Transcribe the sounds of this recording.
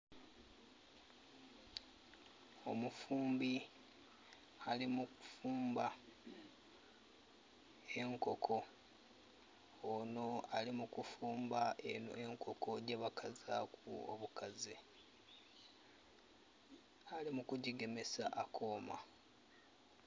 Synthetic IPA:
o̞mufuːmbi | alimuku̥fuːmba | e̞ŋko̞kʰo̞ | no̞alimukufuːmbaeno̰eŋkʰo̞kʰo̞ɟeβakʰaza̰kṵo̰βukazi | alimukuɟiɡe̞me̞sa̰ʔakʰo̞ːma̰

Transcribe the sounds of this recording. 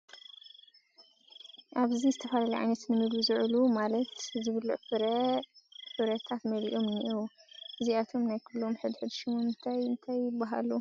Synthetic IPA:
ʔaβzizɨt̪ʰɐfalaliʕa̰jnɐt̪mɨnɨd̪uzɨʕlumalɐt̪zɨβɨlːṵʔɨɾ | ħɨβɾɐt̪ʰat̪mɐlḭʔo̞mniʔuwɨziat̪ʰo̞mnajkʰɨlːomħɨd̪ħɨd̪ʃɨmuɨnt̪ʰajɨnt̪ʰajːɪbːaɦa̰lu

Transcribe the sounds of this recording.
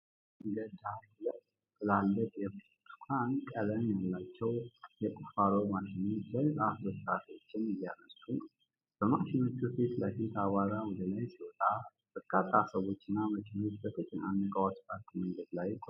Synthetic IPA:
ɡəd̪a | lə | ɨlalːət̪ʼjɛ | t̪u̥kʰankʼələnalːat͡ʃːɛwjɛkʼufaɾowmaʃɪnozəɾzʼasət̪ːasiwot͡ʃːɪnjjanəst̪u | b̥əmaʃɪno̞t͡ʃːufet̪ləfit̪aβaɾawɔd̪əlajsiwɔt̪ʼa | b̥əkʰʼːasʼasəβo̞t͡ʃːɪnːaməkʰeno̞t͡ʃːbəfʰit͡ʃʼːɪnanːəkʼawat̪pʰʼaɾk̪ʼməŋɡəd̪lajkʼo

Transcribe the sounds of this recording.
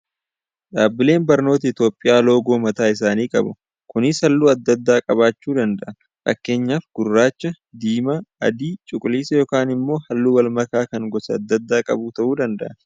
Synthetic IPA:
ᶑaːbɪle̞ːnbɐɾno̞ːt̪ɐɪt̪jo̞ːpʼːɪjaːlo̞ːɡo̞ːmɐt̪aːɪs̬aːniːkʼɐ̰bʊ | kʊnɪsɐlːuːɐd̪ːɐd̪ːaːkʼɐβaːt͡ʃːuːd̪ɐnd̪ɐʔɐ | fɐ̰kːe̞ːɲːaːfɡ̥ʊrːaːt͡ʃːɐ | d̪iːmɐɐ̰d̪iːt͡ʃʼʊkʼʊliːsɐjoːkaːnɪmːo̞ːhɐlːuːwɐlmɐkaːkɐŋɡɔsɐɐd̪ːɐd̪ːaːkʼɐ̰buːt̪ɐʔuːd̪ɐnd̪ɐʔɐ

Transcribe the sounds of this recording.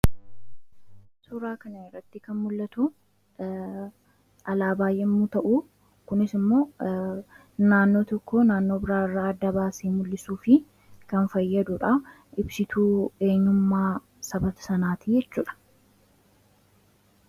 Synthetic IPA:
sʊɾaːkɐnɐɪrːɐt̪ːɪkɐnmʊlːɐt̪u | ɐlaːbaːjʔɛmːut̪ɐʔu | kʊnɪsɪmːo̞ː | naːnːo̞ːt̪ɔkːoːnaːnːo̞ːbɪɾaːɪrːaːɐd̪ːɐbaːseːmʊlːɪsuːfɪ | kɐnfɐjːɐd̪ʊᶑɐ | ɪbsɪt̪ʰuːe̞ːɲːʊmːaː | sɐbɐt̪ɐ̥sɐnaːt̪ijɛt͡ʃːuːᶑɐ̥

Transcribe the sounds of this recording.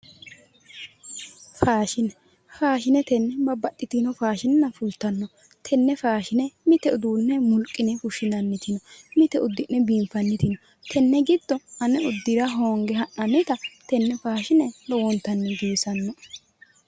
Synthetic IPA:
faːʃɪnɛ | faːʃɪnɛt̪ɛnːɛbɐbɐɗːɪt̪ɪnɔfaːʃɪnnːɐfʊlt̪ːɐnːɔ | t̪ʰɛnːɛfaːʃɪnɛmɪt̪ɛʊd̪uːnːɛmʊlkʼːɪnɛfʊʃɪnɐnːɪt̪ɪnɔmɪt̪ɛʊd̪ːɪnːɛbiːmfɐnːɪt̪ɪnɔ | t̪ʰɛnːɛɡɪd̪ːɔɐnɛʊd̪ːɪɾɐɦoːŋɡɛɦɐʔɐnːɪt̪ɐt̪ɛnːɛfaːʃɪnɛlɔwɔnt̪ːɐnːɛɡiːsɐnːɔ

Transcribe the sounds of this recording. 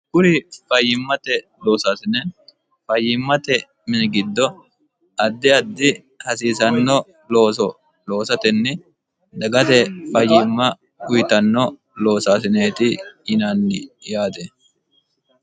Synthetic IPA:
kʊɾɪfɐjɪmːɐt̪ɛ | lo̞ːsaːsɪnɛ | fɐjːɪmːɐt̪ɛ | mɪnɡɪd̪ːɔ | ɐd̪ːɪɐd̪ːɪ | hɐsiːsɐnːɔ | loːsɔ | lo̞ːsɐt̪ɛnːɛ | d̪ɐɡɐt̪ɛfɐjːɪmːɐ | kʊjɪt̪ɐnːɔ | lo̞ːsaːsɪneːt̪ɪɪnanːɪjaːt̪ɛ

